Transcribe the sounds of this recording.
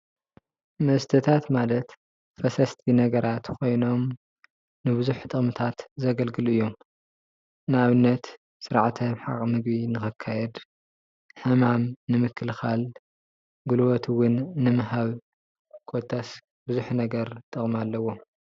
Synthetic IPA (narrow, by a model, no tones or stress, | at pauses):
mɐst̪ʰɨt̪ʰat̪malɐt̪ | fɐsɐst̪ʰinɐɡɐɾat̪kʰo̞jno̞m | nɨbɨzuħt̪ʼɨχʼmɨt̪ʰat̪zɐɡɐlɡɨluɨjːo̞m | nɨaβɨnːɐt̪ | sɨɾʕt̪ʰɐmħa̰kʼmɨɡbinɨxɨkʰːajɛd̪ | ħɨmamnɨmɨkʰːɨlxal | ɡulwot̪ʰwʊnːɨmɨɦaβ | kʰot̪ʰːas | bɨzuħunɐɡɐɾt̪ʼɨχʼmalːɐwːo̞m